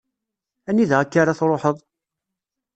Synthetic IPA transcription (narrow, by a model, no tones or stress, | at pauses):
æniðʁəkːaɾaθɾˤoħəðˤ